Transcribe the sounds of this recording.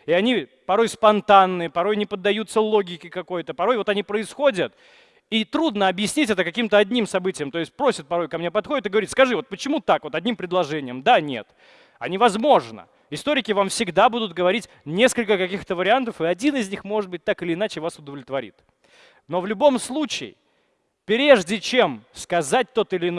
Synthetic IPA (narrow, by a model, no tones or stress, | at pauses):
ɪɐnʲi | pɐɾo̞jspɐnt̪anːɨəpɐɾo̞jnʲɪpəd̪ːɐjut̪səlˠo̞ɡʲɪkʲɪkɐko̞jt̪əpɐɾo̞jvo̞t̪ɐnʲipɾəɪsxo̞dʲət̪ | it̪ɾud̪nəɐbjɪsʲnʲitʲɛt̪əkɐkʲimt̪əɐdʲnʲimsɐbɨtʲɪjəmt̪o̞ɪsʲt̚ʲpɾo̞sʲɪt̪̚pɐɾo̞jkɐmnʲepɐt̪xo̞dʲɪt̪ɨɡəvɐɾʲit̪skɐʐɨvo̞t̪̚pət͡ɕɪmut̪akvo̞t̪ɐdʲnʲimpɾʲɪdlˠɐʐɛnʲɪjəmd̪anʲe̞̰t̪ | ɐnʲivɐzmo̞ʐnə̰ | ɪst̪o̞ɾʲɪkʲɪvamfsʲɪɡd̪abud̪ʊt̪̚ɡəvɐɾʲitʲnʲe̞skəlʲkəkɐkʲixt̪əvəɾʲɪant̪əfɨɐdʲinɨzʲnʲixmo̞ʐɨd̪̚bɨt̚ʲt̪akɨlʲɪːnat͡ɕɪvasʊd̪əvlʲɪt̪vɐɾʲḭt̪ | no̞vlʲʊbo̞mslˠut͡ɕɪɪ̰ | pɾʲe̞ʐdʲɪt͡ɕe̞mskɐzat̚ʲt̪o̞t̪ɨlʲɪːn